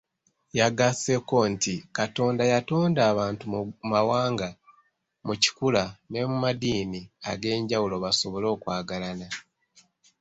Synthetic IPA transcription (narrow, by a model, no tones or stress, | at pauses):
jaɡase̞ko̞ntikato̞ːndajato̞ːndaːβaːntumawaːŋɡa | muci̥kulane̞mumadiːnia̰ɡe̞ːɲɟawulo̞βaso̞βo̞lo̞ːkwaːɡalana